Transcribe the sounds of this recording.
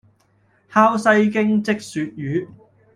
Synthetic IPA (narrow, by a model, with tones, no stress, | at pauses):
haː˥wsɐ˧jkɪ˥ŋt͡sɪ˥k̚syː˨˧t̚jyː˨˥